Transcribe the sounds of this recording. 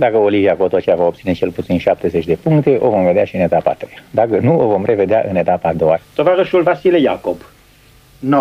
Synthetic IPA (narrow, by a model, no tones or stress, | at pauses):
d̪akəoliviakot̪ot͡ʃejavaop̚t̪sine̞t͡ʃe̞lput̪sinʃap̚t̪e̞zet͡ʃʲd̪e̞puŋkt̪e̞ʔo̞̰vo̞mve̞d̪eaʃiɨne̞t̪apa̰t̪ɾejad̪akənuovo̞mre̞ve̞d̪ea̰ʔɨne̞t̪apad̪oat̪ovaɾəʃulvasilejakob | no